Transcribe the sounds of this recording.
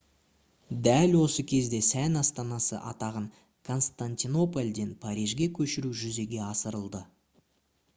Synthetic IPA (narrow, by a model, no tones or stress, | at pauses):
d̪ælwo̞səkʲʰe̞zd̪e̞sænɑst̪ɑnɑsə̰ʔɑ̰t̪ɑʁəŋ | kʰo̞nst̪anʲt̪ino̞polʲd̪e̞npʰɑɾijʒɡʲe̞kʲʰɵʃɪɾuʒʏze̞ɡʲe̞ɑsəɾəlˠd̪ə